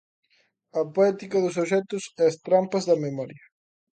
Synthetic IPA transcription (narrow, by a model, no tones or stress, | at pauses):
ɐpoɛt̪ikɐðʊsoʃɛt̪ʊsɛɐst̪ɾampɐzðɐmemɔɾjɐ